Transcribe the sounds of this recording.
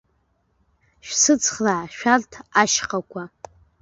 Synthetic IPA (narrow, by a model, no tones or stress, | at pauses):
ʃᶣsɨt͡sʰχlaʕʃᶣartʰaʃqʼakʷʰa